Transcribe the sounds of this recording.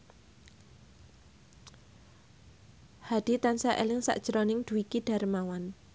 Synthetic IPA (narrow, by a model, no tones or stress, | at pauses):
had̪̥i̤t̪ansaʔḛlɪŋsa̰ʔd̥ʒ̥əɾɔnɪŋd̪̥ṳwikiɖ̥a̤ɾəmawan